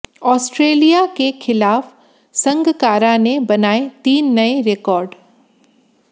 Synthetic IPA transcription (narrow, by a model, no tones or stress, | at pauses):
ɔːsʈɾeːlijakexʰɪlaːf | sɐ̃ŋɡʱkaːɾanebɐnaːet̪iːnːɐeɾekɔːɾɖ